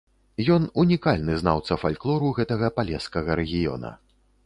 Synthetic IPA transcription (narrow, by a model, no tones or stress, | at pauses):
jɔnunʲikalʲnɨzna̰wt̪sɐfalʲklˠɔɾuɣɛt̪ɐɣɐpalʲɛskɐɣɐɾɛɣʲijɔ̰nɐ̰